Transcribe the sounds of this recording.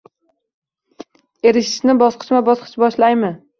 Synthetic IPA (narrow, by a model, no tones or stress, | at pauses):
e̞ɾɪʃɪ̥ʃnɪbɒsqʰɨ̥t͡ʃmabɒsqʰɨ̥t͡ʃbɒʃlajmɪ